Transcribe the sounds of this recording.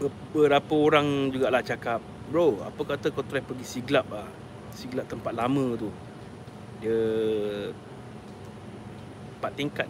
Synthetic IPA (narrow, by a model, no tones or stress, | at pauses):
bə | bəɾapaoɾaŋd͡ʒuɡaʔlaht͡ʃakap̚ | bɾoa̰pəkat̪akat̪ɾɛpəɡisiɡlap̚lah | siɡlap̚t̪əmpat̪̚lamə̃t̪u | diə | pat̪ːiŋkat̪̚